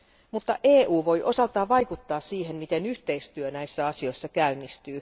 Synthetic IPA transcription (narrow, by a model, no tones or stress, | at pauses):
mut̪ːɑ̰ʔeːʔuːʋo̞jʔo̞sɑt̪ːˑɑːʋɑjkut̪ːɑːssiːhe̞mmit̪e̞nyht̪e̞ist̪yønæjsːæɑsio̞jsːɑkæynːist̪yː